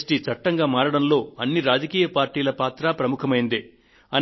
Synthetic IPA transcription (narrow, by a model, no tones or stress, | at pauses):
sʈiːt͡ʃɐʈːɐŋɡaːmaːɾɐɽɐnlo̞ːɐnːiɾaːd͡ʒɐkiːjɐpaːɾʈːiːlɐpaːt̪ɾaːpɾɐmukʰɐmɐjind̪i | ɐn